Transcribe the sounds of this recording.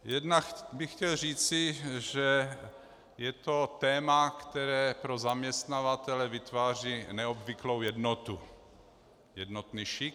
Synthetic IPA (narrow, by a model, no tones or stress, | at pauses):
jɛdnakbɪxcɛlr̝iːt͡sɪʒɛ | jɛt̪o̞t̪ɛːmakt̪ɛɾɛːpɾozamɲɛst̪navat̪ɛlɛvɪt̪vaːr̝inɛobvɪklowjɛdnot̪u | jɛd̪not̪niːʃɪk